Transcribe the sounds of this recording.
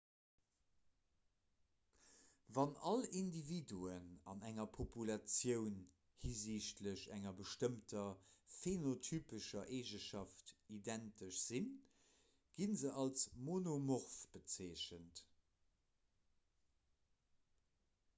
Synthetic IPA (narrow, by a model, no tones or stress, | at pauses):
vɑnɑlindividuənɑ̰næŋɐpʰopʰulɑt͡sjəʊn | hiziɕtləɕæŋɐbəʃtəmtʰɐfenotʰyːpəʃɐʔeːʒəʃɑftidæntəʃz̥in | ɡ̥inzəʔɑlsmonomoʁfb̥ət͡seːɕənt